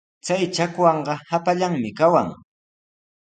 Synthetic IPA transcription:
t͡sajt͡ʃakwɑɴɢɑhapaʎaŋmɪkawaŋ

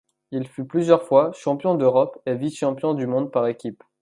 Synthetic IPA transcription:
ilfyplyzjœʁfwaʃɑ̃pjɔ̃d̪øʁɔpeviʃɑ̃pjɔ̃d̪ymɔ̃d̪̚paʁekʲip

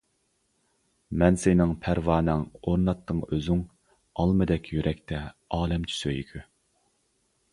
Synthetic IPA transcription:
mɛnsɪnɪŋpʰæɾwɑːnɨŋoɾnɑt̪ʰːɨŋøzyŋ | ɑlˠmɨd̪ɛkʲʰjyɾʔɛkʲt̪ʰɛɑːlɛmt͡ʃʰy̥søjkʲʰy

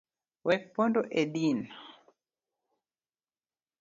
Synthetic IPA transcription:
wɛpɔndɔʔeɗina

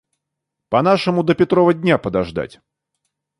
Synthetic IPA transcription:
pɐn̪aʂɨmʊd̪əpʲɪt̪ɾɔvədʲnʲapəd̪aʐd̪a̰tʲ

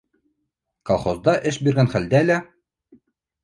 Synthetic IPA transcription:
kolˠχozd̪ɑʔɘʃbiɾɡænχæld̪ælæ

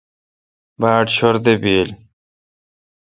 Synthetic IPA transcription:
baːʈɕoɾd̪ebiːl

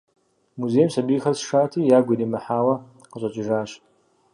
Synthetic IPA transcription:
muzejmsabixɐrsʂaːtʰijaɡʷidimaħaːwɐ | qət͡ʃʷʼɐt͡ʃʼɪʐaːɕ

